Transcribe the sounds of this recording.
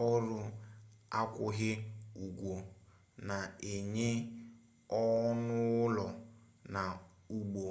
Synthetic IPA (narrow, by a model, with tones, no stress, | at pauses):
ɔ˦ɾʊ˦a˦kʷʊ˦ɣɪ˦u˨ɡʷo˨ | na˨e˨ɲe˦ | ɔ˦nʊ˦ʊ˦lɔ˨na˨ | u˨ɡ͡bo˨